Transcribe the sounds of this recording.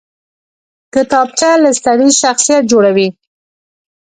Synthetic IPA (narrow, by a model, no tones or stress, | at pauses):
kɪt̪ɑb̚t͡ʃalast̪aɽizʃaxsijat̪̚d͡ʒoɽawi